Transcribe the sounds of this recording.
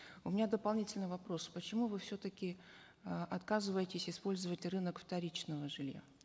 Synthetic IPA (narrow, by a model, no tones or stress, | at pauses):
ʊmʲɪnʲad̪əpɐlˠnʲitʲɪlʲnəvɐpɾo̞spət͡ɕɪmuvɨfsʲot̪əkʲɪ | ʔɐt̪kazɨvəjɪtʲɪsʲɪspo̞lʲzəvətʲrɨnəkft̪ɐɾʲit͡ɕnəvəʐɨlʲja̰